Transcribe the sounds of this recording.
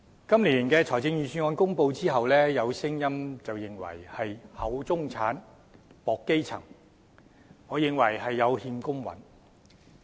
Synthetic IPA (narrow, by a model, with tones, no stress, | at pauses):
kɐ˥mliː˨˩˨nkɛː˧t͡sʰɔː˨˩jt͡sɪ˧ŋjyː˨˩syː˧nŋɔː˨˧nkʊ˥ŋpo˧wt͡siː˥ɦɐ˨wlɛː˥jɐ˨˧wsɪ˥ŋjɐ˥mt͡sɐ˨wjɪ˨ŋwɐ̰˨˩jhɐ˨jhɐ˨˧wt͡sʊ˥ŋt͡sʰaː˨˥n | pɔː˨kːe˥jt͡sʰɐ̰˨˩ŋ | ŋɔː˨˧jɪ˨˩ŋwɐ˨˩jɦɐ˨jːɐ˨˧whiː˧nkʊ˥ŋwɐ̰˨˥n